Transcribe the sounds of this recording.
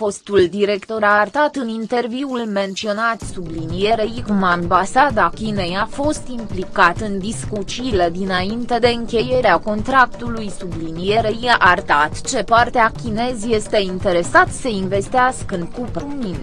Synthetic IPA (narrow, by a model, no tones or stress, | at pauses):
fo̞st̪uld̪iɾe̞kt̪o̞ɾart̪at̪ɨnint̪e̞rviulme̞nt̪sio̞nat̪sublinije̞ɾeiɡmambasad̪akʲinejafo̞st̪implikat̪ɨnd̪iskut͡ʃiled̪inaint̪e̞d̪e̞ɨŋkʲe̞je̞ɾeako̞nt̪ɾak̚t̪ulujsublinije̞ɾeiaʔart̪at̪t͡ʃe̞part̪eakʲine̞zje̞st̪e̞int̪e̞ɾe̞sat̪səinve̞st̪iaskɨnkupemin